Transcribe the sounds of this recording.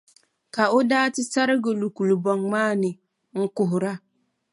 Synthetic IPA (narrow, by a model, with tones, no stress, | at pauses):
ka˨ʊ˦daː˦tɪ˦sa˦ɾɪ˦ɡʊ˨lu˨ku˨lbɔ˨ŋmaː˦˨nɪ˨ | ŋ̩˦kʊ˨ɦʊ˨ɾa˦